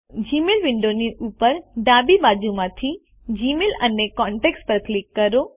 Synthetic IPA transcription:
d͡ʑiːmelʋɪ̃ɳɖoniʔuːpəɾɖaːbibaːd͡ʑumãt̪ʰi | d͡ʑiːmelɐnekɔ̃ːɳʈeːkspɐɾklɪkːɐɾoː

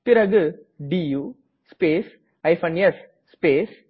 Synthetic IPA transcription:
pɪɾɐɡɯ | ɖijuː | speːs | ɐɪfɐnɐsː | peːs

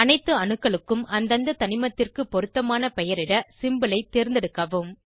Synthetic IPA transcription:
ɐnɐɪt̪ːɯɐnɯkːɐɭɯkːɯmɐnd̪ɐnd̪ɐt̪ɐnɪmɐt̪ːɪrkɯpɔɾɯt̪ːɐmaːnɐpɛjɐɾɪɽɐsɪmbɐlɐɪt̪ːeːɾnd̪ɛɽɯkːɐʋɯm

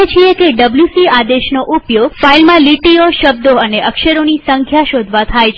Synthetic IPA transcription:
et͡ʃʰiekeɖəbljusiad̪eʃnoʔupjoɡfailmãliʈioʃəb̚d̪oəneʔəkʃəɾonisəŋkʰjaʃod̪ʱʋat̪ʰajt͡ʃʰ

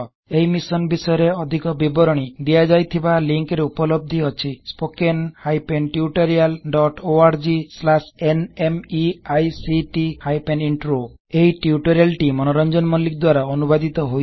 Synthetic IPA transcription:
eɦimisɔnbisɔjɔɾeɔd̪ʱikɔbibɔɾɔɽ̃id̪iad͡ʒajt̪ʰibaliŋkɾeupɔlɔb̚d̪ʱiɔt͡ʃʰispokenhajpenʈiuʈɔɾialɖɔʈoaɾd͡ʒislasenemiajsiʈihajpeniɳʈɾo | eiʈiuʈɔɾijalʈimɔnɔɾɔnd͡ʒɔnmɔlik̚d̪waɾaɔnubad̪it̪ɔɦoj

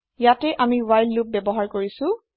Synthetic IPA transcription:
jatɛʔamiwajlːup̚bɛbɔɦaɹkoɹisʊ̃

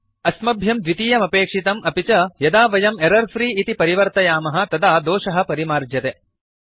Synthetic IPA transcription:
ɐsmɐbʱjɐmd̪ʋit̪ijɐmɐpeːkʂit̪ɐmɐpit͡ʃɐjɐd̪aːʋɐjɐmeɾɐɾfɾiːit̪ipɐɾiʋɐɾt̪ɐjaːmɐɦɐ̆t̪ɐd̪aːd̪oːʂɐɦɐ̆pɐɾimaːɾd͡ʒjɐt̪e

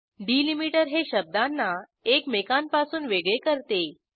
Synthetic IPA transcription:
ɖilimiʈəɾɦeɕəb̚d̪anːa | ekmekanpasuːnʋeɡɭekəɾt̪e

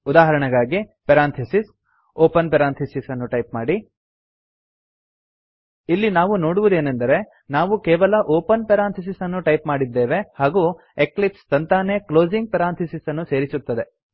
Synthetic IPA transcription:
ud̪aːɦɐɾɐɳɐɡaːɡipɐɾaːnt̪ʰɐsis | oːpɐnpɐɾaːnt̪ʰisisɐnːuʈɐjp̚maːɽi | ilːinaːʋuno̞ːɽuʋud̪e̞ːnɐnd̪ɐɾe̞ | naːʋukeːʋɐlɐʔoːpɐnpɛɾaːnt̪ʰɐs̬isɐnːuʈɐjpmaːɽid̪ːeːʋe̞haːɡuː | eklipst̪ɐnt̪aːneklo̞ːd͡ʒiŋɡ̚pɐɾaːnt̪ʰisisɐnːuse̞ːɾisut̪ːɐd̪e̞

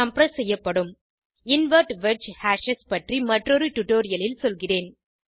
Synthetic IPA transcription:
ɐmpɐɾɐsɛjːɐpːɐɽɯm | ɪnʋɐɾʈʋɛɾt͡ʃhaːʂɐspɐʈrimɐʈrɔɾɯʈʊʈːoːɾɪjɐlɪlsɔlɣɪreːn

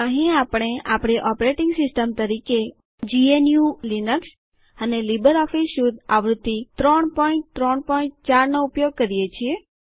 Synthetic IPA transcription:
əɦĩapɽ̃eapɽ̃eʔɔpɾeʈɪŋɡsɪsʈəmt̪əɾike | d͡ʒienjulinəks | ənelibəɾɔfisud̪aʋɾud̪ːit̪ɾɔɳpɔĩɳʈ̚t̪ɾɔɳpɔĩɳʈ̚t͡ʃaɾnoupjoɡ̚kəɾijet͡ʃʰie

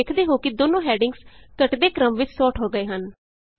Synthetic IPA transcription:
eːkʰd̪eːɦoːkɪd̪oːnõːɦɛːɖɪŋɡskəʈd̪eːkɾəmʋɪt͡ʃsɔːʈɦoːɡəeːɦən

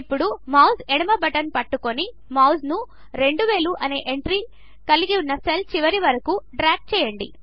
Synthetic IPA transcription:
pːuɽumɐwzɛɽɐmɐbɐʈɐnpɐʈːukoni | mɐwznu | ɾe̞ɳɖuʋeːluʔɐne̞ːʔeɳʈɾiː | kɐliɡiunːɐselt͡ʃiʋɐɾiʋɐɾɐkuɖɾaːk̚t͡ʃɛːjɐɳɖḭ

